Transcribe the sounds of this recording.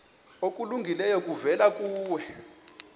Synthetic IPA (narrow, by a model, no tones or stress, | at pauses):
okʼuluŋɡʱilɛjɔkʼuvɛlakʼuːwɛ